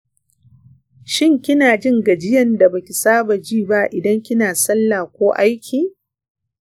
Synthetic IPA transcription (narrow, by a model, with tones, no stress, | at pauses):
ʃɪ˦ŋkʲɪ˦naː˨d͡ʒɪ˦ŋɡa˨d͡ʒɪ˦jɐ˨nda˨ba˨kʲɪ˨saː˦ba˨d͡ʒiː˦˨ba˦ʔɪ˨dɐ˦ŋkʲɪ˦naː˨sɐ˦lːaː˨kʷoː˦ʔa˦jkʲʰiː˨